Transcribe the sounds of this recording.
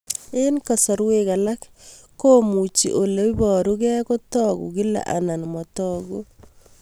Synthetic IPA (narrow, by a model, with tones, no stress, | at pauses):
ɪ˦nka˨sɔ˨ɾweka˨la˦k | kːo˦mu˨t͡ʃḭ˨ʔo˨le˦i˦bɔ˨ɾu˦kɛ˦ko˦tɔ˦ɡṵki˦la̰˨ʔa̰˨na˨nmɔ˨tɔ˦ɡo˦